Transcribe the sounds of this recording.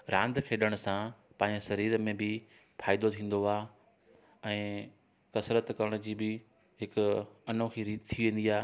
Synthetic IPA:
ɾãːnd̪kʰeːɗəɽ̃ʊ̆sã | pɐ̃ːɲd͡ʑesɐɾiːɾmẽbɪ | fʰaːɪd̪ot̪ʰĩːn̆d̪oaː | ɛ̃ː | kɐsɾət̪kɐɾəɽ̃ʊd͡ʑiːbɪ | ɦɪkʊɐnõkʰiːɾiːt̪t̪ʰːiʋẽːnd̪iaː

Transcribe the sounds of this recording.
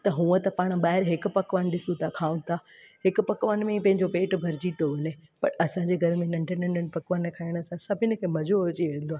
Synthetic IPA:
t̪ɐɦũːət̪ɐpaːɽ̃ɓaːɦɪɾɦɪkpɐkʋənɗɪsũt̪ʰakʰaːũt̪ʰaː | hɪkpɐkʋanmẽipɐ̃ɦɪ̃ɲd͡ʑopeːʈbʱɐɾɪd͡ʑit̪oʋʊnepɐɾɐsãːɲd͡ʑeːɡʱɐɾmẽnɐ̃ɳɖʱənɐ̃ɳɖʱənɪ̆pɐkʋənkʰaːijəɽ̃ə̆sãsɐbʱɪnə̆kʰeːmɐzoːod͡ʑiʋẽːnd̪oaː

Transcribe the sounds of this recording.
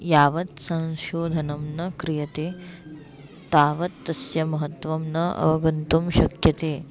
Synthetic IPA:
jaːʋɐt̪sɐ̃w̃ʃoːd̪ʱɐnɐmnɐkɾijɐt̪eː | t̪aːʋɐt̪ːɐsjɐmɐɦɐt̪ʋɐmnɐɐ̰ʋɐɡɐnt̪umʃɐkjɐt̪eː

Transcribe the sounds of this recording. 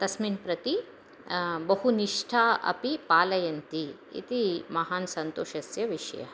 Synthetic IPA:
t̪ɐsminpɾɐt̪i | bɐɦuniʂʈʰaːʔɐ̰pipaːlɐjɐnt̪i | ḭt̪imɐɦaːnsɐnt̪oːʃɐsjɐʋiʂɐjɐ̰

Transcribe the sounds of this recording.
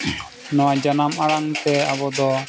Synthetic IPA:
nɔwad͡ʒanamaɽaŋt̪ɛabɔd̪ɔ

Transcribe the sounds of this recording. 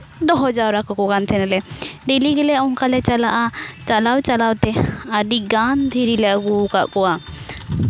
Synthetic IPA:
d̪ɔɦɔd͡ʒawɾakɔkɔkant̪ʰɛnɛlɛɖiliɡɛlɛɔŋkalɛt͡ʃalaʔat͡ʃalawt͡ʃalawt̪ɛaɖiɡand̪ʱiɾilɛʔɡukaʔkɔwa

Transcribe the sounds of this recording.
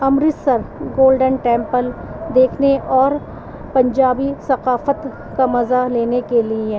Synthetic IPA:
ɐmɾɪt̪sɐɾɡoːlɖənʈɛ̃ːmpəld̪eːkʰneʔɔːɾ | pɐ̃ɲd͡ʒaːbisɐqaːfət̪ | kamɐzaleːnekelie

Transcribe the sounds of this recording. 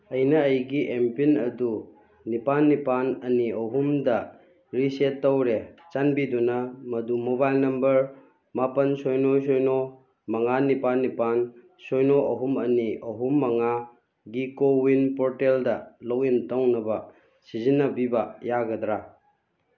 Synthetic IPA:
ɐjnɐːjɡiʔempinɐdu | nipanːipanɐniɐɦumdɐ | ɾisetːɐwɾet͡ʃanbidunɐmɐdumobajlnɐmbɐɾ | mapɐnsojnojs̬ojno | mɐŋanipanːipan | sojnoʔɐɦumɐniʔɐɦumːɐŋa | ɡikowinpoɾteldɐlowintawnɐbɐ | sizinːɐbibɐjaɡɐdɾa

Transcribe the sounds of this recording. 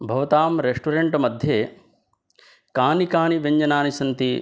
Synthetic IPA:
bʱɐʋɐt̪aːmɾeʂʈuɾeɳʈmɐd̪ʱjeː | kaːnikaːniʋeɲd͡ʒɐnaːnisɐnt̪i

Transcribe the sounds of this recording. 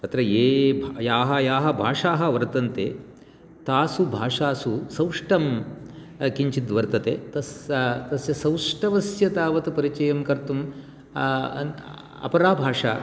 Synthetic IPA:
t̪ɐt̪ɾɐeːbʱjaːɦɐjaːɦɐ̆bʱaːʂaːɦɐʋɐɾt̪ɐnt̪ḛː | t̪aːsubʱaːʂaːsusɐwʂʈɐm | kiɲt͡ʃid̪ʋɐɾt̪ɐt̪ḛːt̪ɐst̪ɐsjɐsɐwʂʈɐʋɐsjɐt̪aːʋɐt̪upɐɾit͡ʃɐjɐmkɐɾt̪um | ɐ̰pɐɾaːbʱaːʂa̰ː

